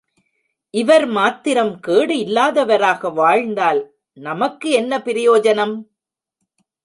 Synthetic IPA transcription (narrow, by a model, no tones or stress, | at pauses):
ʔɪʋɐɾmaːt̪ːɪɾɐmkeːɽɯɪlːaːðɐʋɐɾaːɣɐʋaːɻnd̪aːl | nɐmɐkːɯɛnːɐpɪɾɪjoːd͡ʒɐnɐm